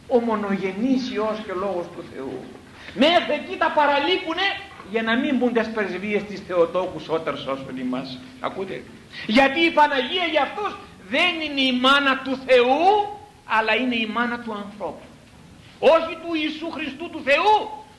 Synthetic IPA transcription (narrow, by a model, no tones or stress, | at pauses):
o̞mo̞no̞ʝe̞nisio̞sco̞lo̞ɣo̞st̪uθe̞̰ṵ | me̞secit̪ɐpɐɾɐlipune̞ʝɐnɐmimbund̪e̞spɾezvie̞st̪isθe̞ot̪o̞kuso̞t̪eɾso̞sonimɐs | ɐ̰kut̪ḛ | ʝɐt̪iːfɐnɐʝiɐʝɐft̪oz | ðe̞nineimɐnɐt̪uθe̞u | ɐlɐine̞imɐnɐt̪uɐnθɾo̞pu̥ | o̞çit̪uiːsuxɾist̪ut̪uθe̞u